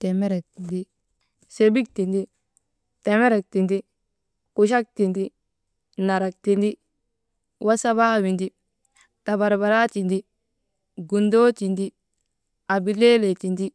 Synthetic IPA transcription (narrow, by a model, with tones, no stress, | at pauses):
te˨me˦ɾe˨k̚ti˨ndi˦ | se˨bi˦k̚ti˨ndi˦ | te˨me˦ɾe˨k̚ti˨ndi˦ | ku˨ʃa˦k̚ti˨ndi˦ | kna˨ɾa˨k̚ti˨ndi˦ | wʔa˦sa˦βa˦wi˨ndi˦ | ta˨ba˨ɾba˨ɾa˦t͡ʃi˨ndi˦ | ɡu˨ndoː˦ti˨ndi˦ | a˨bi˨le˦le˨ti˨ndi˦